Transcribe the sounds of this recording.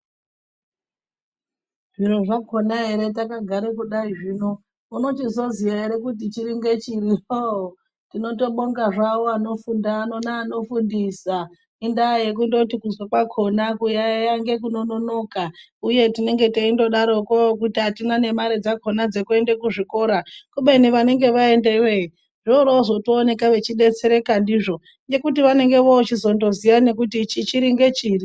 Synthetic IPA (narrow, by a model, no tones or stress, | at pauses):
ʐiɾoʐakʰo̞naɦe̞ɾe̞t̬akaɡʱaɾekuɗaiʐino̞ | uno̞t͡ʃizozijaɦeɾe̞kut̬it͡ʃiɾiŋɡe̞t͡ʃiriroo | tino̞to̞ɓo̞ŋɡaʐawoano̞fundano̞naːno̞fundisa | indaje̞k̬undo̞tikuzwakwakʰo̞nakujajaŋɡe̞kuno̞no̞no̞ka | uje̞tine̞ŋɡe̞teindo̞ɗaɾo̞kokutiɦatinane̞maɾed͡zakʰo̞nad͡ze̞kue̞ndekuʐiko̞ɾakuɓeniʋane̞ŋɡe̞ʋae̞ndewei | ʐooɾozo̞toːne̞kaʋe̞t͡ʃiɗe̞t͡seɾe̞kandiʐo̞ | ŋɡe̞kutiʋane̞ŋɡe̞ʋot͡ʃizo̞ndo̞zijane̞kutit͡ʃit͡ʃiɾiŋɡe̞t͡ʃiːri